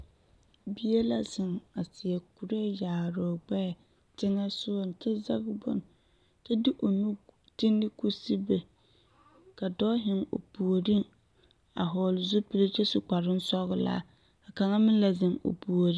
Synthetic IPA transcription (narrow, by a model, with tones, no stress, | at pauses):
bi˦e˦la˦sɪ˨ŋa˨sɪ˨ɛ˨ku˨ɾe˦˨jaː˨ɾɔː˨ɡ͡bɛ˦˨ | tɪ˦ŋa˦sʊ˦˨n˨tɛ˦za˦ɣbɔ̰˦n | tɛ˦di˦ʔo˨nu˦ | ti˦nːɪ˦ku˦si˦be˨ | ka˨dɔː˦ɦɪ˨ŋo̰˨pu˨o˨ɾi˦ŋ | a̰˨ɦɔː˨lɪ˨zʊ˦pi˦le˦t͡ʃɛ˦sʊ˨ka˨ɾɪ˦n˦sɔ˦ɣʊ˦la̰ː˦ | a˨ka˨ŋa˦mɪ˦la˨zɪ˨ŋo̰˨pu˨o˨ɾi˦